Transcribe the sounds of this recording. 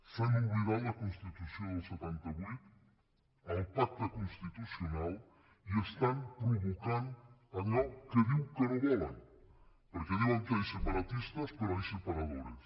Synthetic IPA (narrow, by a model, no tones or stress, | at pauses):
sanũmβiɣawɐkõnst̪it̪usjõŋoset̪ɛnt̪aβujt̪ | aipak̚t̪akonst̪it̪usjonal | iest̪aŋpɾuβokanaɣɔwkeðiwkeɾeβɛɾaŋ | poɾkeðiwaŋk̪eɾsepaɾat̪ist̪ɐspeɾasepaɾaðoɾes